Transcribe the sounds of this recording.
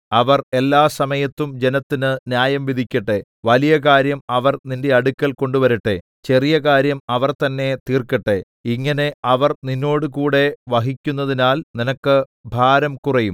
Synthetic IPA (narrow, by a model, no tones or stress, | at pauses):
ɐʋɐre̞lːaːsɐmɐjɐt̪ːumd͡ʑe̞nɐt̪ːinɨnjaːjɐmʋid̪ʱikʲːɐʈːe̞ | ʋɐlijɐkaːɾjɐmɐʋɐrninde̞ɐɽukʲːɐlko̞ɳɖuʋɐɾiʈːe̞̰ | t͡ɕe̞rijɐkaːɾjɐmɐʋɐrt̪ɐnːe̞t̪iːrkːɐʈːe̞ | iŋːɐne̞ɐʋɐrninːo̞ːɽukuːɽe̞ʋɐɦikʲːunːɐðinaːlninɐkːɨ | bʱaːɾɐmkurɐjum